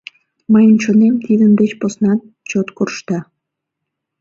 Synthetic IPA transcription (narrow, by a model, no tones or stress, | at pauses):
mɑjənt͡ɕonemt̪id̪ənd̪et͡ɕposnɑn | t͡ɕot̪kurʃt̪ɑ